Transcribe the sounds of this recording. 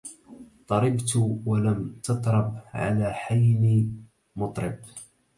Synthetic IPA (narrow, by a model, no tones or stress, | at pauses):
t̪ˤɑɾɪbt̪walamt̪ɑt̪ˤɾˤɑbʕa̰laːħajniː | mʊt̪ˤɾɪb